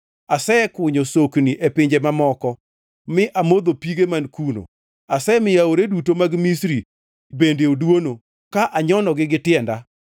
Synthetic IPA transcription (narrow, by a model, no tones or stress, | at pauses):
asɛkwʊɲosokniʔepɪɲd͡ʒemamɔkɔ | mɪʔamod̪opiɡemankuno̰ | asɛmɪjaoɾedutomaɡmisɾi | bendeodwono | kaʔaɲɔnɔɡɪɡɪtɪɛnda